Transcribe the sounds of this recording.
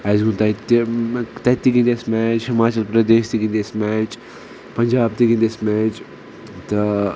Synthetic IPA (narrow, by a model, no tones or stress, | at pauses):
ajzɡunt̪ɐt̪ | t̪ɐt̪ːikĩnd̪esmɛːt͡ʃhimaːt͡ʃɐlpɾɐd̪eːʃt̪ikĩnd̪esmɛːt͡ʃ | pɐɲd͡ʒaːb̚t̪ikĩnd̪esmɛːt͡ʃ | t̪ɐ